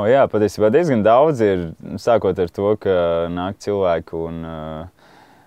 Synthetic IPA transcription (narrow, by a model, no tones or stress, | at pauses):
ɔjaːpat̪ʲiɛsiːbaːd̪iɛzɡand̪awd̪ziɾsaːkuɔt̪aɾt̪uɔkanaːk̚t̪silˠvæːkun